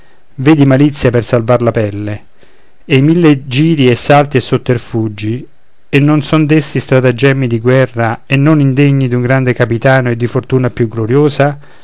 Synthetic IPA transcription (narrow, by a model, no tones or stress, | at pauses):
veːd̪imalit̪sːjapersalvarlapɛlːe | ejmilːed͡ʒiːɾiɛsːalt̪iesːot̪ːerfud͡ʒːi | enːonsɔnd̪esːist̪ɾat̪ad͡ʒɛmːid̪iɡwɛrːaenːonind̪eɲːid̪uŋɡɾand̪ekapit̪aːnoed̪ːifort̪uːnapjuɡloɾjoːsa